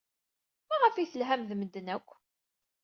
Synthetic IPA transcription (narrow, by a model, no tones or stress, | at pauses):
mæʁəfiθəlɦæmðməd̪ːənækʷː